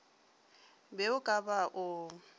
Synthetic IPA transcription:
bɛʊkʼabaʔʊ

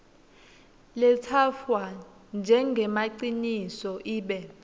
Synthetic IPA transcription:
lɛtʰafwa | nd͡ʒʱɛŋɡʱɛmaǀinisɔʔiːɓɛ

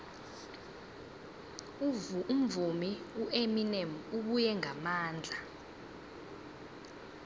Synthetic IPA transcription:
um̩vumiuʔeminɛmuɓujɛŋʱamaːnd͡ɮʱa

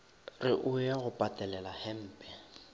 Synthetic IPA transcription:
rɪʔʊjɛɣʊpʼatʼɛlɛlahɛm̩ːpʼɛ

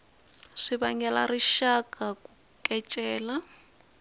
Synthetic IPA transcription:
ʂiβaŋɛla̰riʃakakʼu | kʼɛt͡ʃʼɛːla

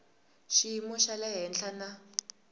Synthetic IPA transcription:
ʃimɔʃalɛɦɛnɬana

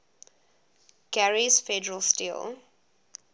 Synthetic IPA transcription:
kæɹizfɛdəɹəlstḭl

